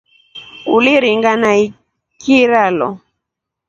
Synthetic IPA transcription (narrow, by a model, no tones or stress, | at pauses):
uliɾiŋɡanai | kiɾalɔ̰